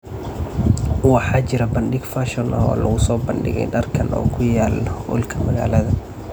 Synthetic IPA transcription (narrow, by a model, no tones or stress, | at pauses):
wɑħɑːt͡ʃɪɾɐbɐnɖɪɡfaʃɔnʔɐɦɔ̰ːlɐɣʊsɔːbɐnɖɪ̰ɣɛ̰jɖɐrkʰɐnʔɔ̰ːkʰʊjaːlʊ̰lkʰɐmɐɣa̰ːlɐðɐ